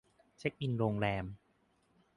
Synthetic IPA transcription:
t͡ɕʰe˦˥k̚ʔi˧nɾoː˧ŋɾɛː˧m

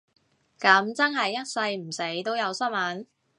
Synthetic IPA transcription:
kɐ˨˥mt͡sɐ˥nɦɐ˨jːɐ˥t̚sɐ˧jm̩˨˩se˨˥jt̪o˥wjɐ˨˧wsɐ˥mɐ˨˥n

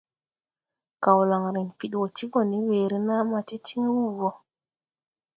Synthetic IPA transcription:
ka˨wla˨ŋɾi˨npi˨ɗwo˨tʰi˦ɡo˨ni˦weː˨ɾi˦na˦ma˨ti˦tʰi˦ŋwuː˦˨wo˦

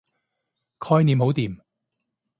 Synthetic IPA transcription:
kʰɔː˥jniː˨˧mɦo˨˥wt̪iː˨m

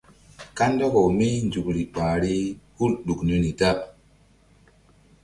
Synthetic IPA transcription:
ka˦nda˦ko˨mi˦nd͡ʒu˨kɾi˨k͡paː˨ɾi˦hu˦lɗu˨kni˦ni˨ta˦

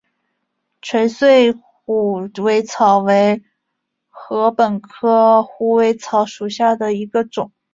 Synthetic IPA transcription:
ʈ͡ʂʰɥɛ˧˥nswe˥˩ɪxu˨˥˩we˧˥ɪt͡sʰɑ˨˧˩ʊwe˧˥ɪ | xɤ˧˥pə˨˩nkʰɤ˥xu˧˥we˧˥ɪt͡sʰɑ˧˥ʊʂu˨˩ɕja˥˩d̪ə˩i˧˥ɡə˧ʈ͡ʂʊ˨˩˦ŋ

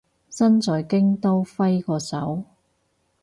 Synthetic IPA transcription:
sɐ˥nt͡sɔː˨jkɪ˥ŋt̪o˥wfɐ˥jkɔː˧sɐ˨˥w

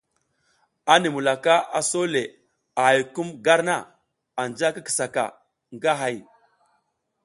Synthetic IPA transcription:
a˦ni˨mu˨la˨ka˦a˨so˦le˨ | a˨a˨jku˦mɡa˦ɾna˦ | a˨nd͡ʒa˦ki˦ki̥˨sa˨ka̰˨ | ŋɡa˦ɦa˨j

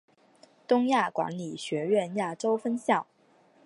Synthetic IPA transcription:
t̪ʊ˥ŋja˥˩kwa̰˧˥nli˨˩ɕɥɛ˧˥ɥɛ˥˧nja˥˩ʈ͡ʂo˥ʊfə˥nɕjɑ˥˩ʊ

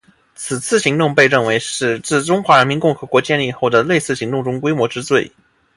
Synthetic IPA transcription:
t͡sʰɹ̩˨˩t͡sʰɹ̩˥˩ɕi˧˥ŋt̪ʊ˥˧ŋpe˥˧ɪɻə˥˩nwe˧˥ɪʂɻ̩˥˩t͡sɹ̩˥˩ʈ͡ʂʊ˥ŋxwa˧˥ɻə˧˥nmi˧˥nkʊ˥˩ŋxɤ˧˥kwɔ˧˥t͡ɕjɛ˥˧nli˥˧xo˥˩ʊd̪ə˩le˥˧ɪsɹ̩˥˩ɕi˧˥ŋt̪ʊ˥˩ŋʈ͡ʂʊ˥ŋkwe˥ɪmwɔ˧˥ʈ͡ʂɻ̩˥t͡swe˥˩ɪ

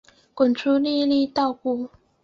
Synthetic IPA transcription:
kʊ˨˩nʈ͡ʂʰu˥li˥˧li˥˧t̪ɑ˥˧ʊku˥˩

